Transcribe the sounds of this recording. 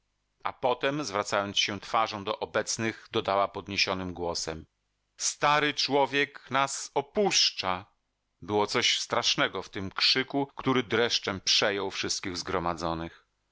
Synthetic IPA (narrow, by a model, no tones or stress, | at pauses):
ʔa̰pɔt̪ɛmzvɾat̪sajɔnt̪sɕɛt̪faʐɔ̃w̃d̪ɔʔɔbɛt̪snɘɣd̪ɔd̪awapɔd̪ɲeɕɔnɘmɡwɔsɛm | st̪aɾɘt͡ʂwɔvʲjɛknasɔpuʂt͡ʂa | bɘwɔt̪sɔɕst̪ɾaʂnɛɡɔft̪ɘmkʂɘkukt̪uɾɘd̪ɾɛʂt͡ʂɛmpʂɛjɔwfʂɘst̪̚kʲiɣzɡɾɔmad̪zɔnɘx